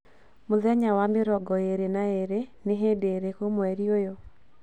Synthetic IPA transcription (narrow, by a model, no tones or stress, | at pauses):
mʊðɛɲawamɪɾɔɡɔeɾenaeɾenɪɦedeɾekomwɛɾiojo